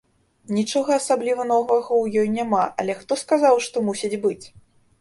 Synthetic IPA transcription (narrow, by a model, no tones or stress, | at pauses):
nʲit͡ʂɔɣɐːsablʲivɐnɔvɐɣɐwjɔjnʲamaʔɐ̰lʲɛxt̪ɔskazawʂt̪ɔmusʲid͡zʲbɨt͡sʲ